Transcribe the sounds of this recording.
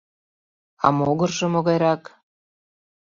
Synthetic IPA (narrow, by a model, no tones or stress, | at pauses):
ɑ̰moɣɤrʒɤ̆moɣɑjɾɑk